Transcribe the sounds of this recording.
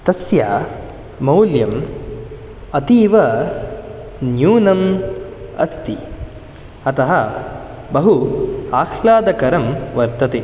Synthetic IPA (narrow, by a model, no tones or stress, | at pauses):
t̪ɐsja̰ː | mɐwljɐm | ɐt̪iːʋɐ | njuːnɐm | ɐst̪i | ɐt̪ɐɦɐ | bɐɦuaːxʰlaːd̪ɐkɐɾɐmʋɐɾt̪ɐt̪e